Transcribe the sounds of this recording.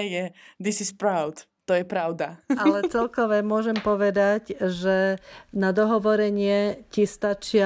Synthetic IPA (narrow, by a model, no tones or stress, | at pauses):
jɛd̪isispɾaʊt̪ | t̪ɔjɛpɾaʊd̪aalɛt͡sɛlkɔʋɛmʊɔʒɛmpɔʋɛd̪acʒɛnad̪ɔɦɔʋɔɾɛɲɪɛcist̪at͡ʃɪa